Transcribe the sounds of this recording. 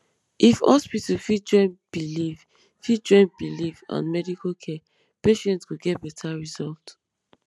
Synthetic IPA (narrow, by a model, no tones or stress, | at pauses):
ʔifhɔ̰spitufid͡ʒɹɛ̃nb̥iliv | fid͡ʒɹɛ̃n̚b̥ilivã̰nmɛdikʰakʰɛ | peʃɛ̃ntskuɡɛtbɛtʰaɹizɔlt